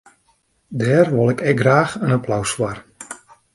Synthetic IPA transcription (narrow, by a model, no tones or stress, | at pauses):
dɛːrʋolˠɪkɛɡraːxənapʰlawswar